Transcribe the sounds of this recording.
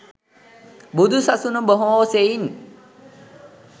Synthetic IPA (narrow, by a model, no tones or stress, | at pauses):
bud̪usaʔsunɔmbɔɦɔ̃sein